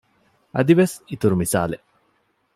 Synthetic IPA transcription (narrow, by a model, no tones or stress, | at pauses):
ɐd̪iʋɐsit̪uɾumisa̰ːle